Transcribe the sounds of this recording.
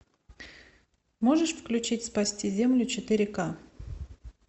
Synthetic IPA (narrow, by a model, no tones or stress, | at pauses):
mo̞ʐɨʂfklʲʉt͡ɕitʲspɐsʲtʲizʲemlʲʊt͡ɕɪt̪ɨɾʲɪka